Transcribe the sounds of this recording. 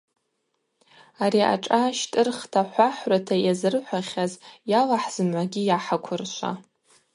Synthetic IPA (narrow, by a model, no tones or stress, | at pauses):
aɾiʔa̰ʈ͡ʂʼaʃtʼɨrχtʰaħʷaħratʰajazɨrħʷaχʲazjalaħz̥ɨmʕʷaɡʲijaħakʷʰʊrʃʷa̰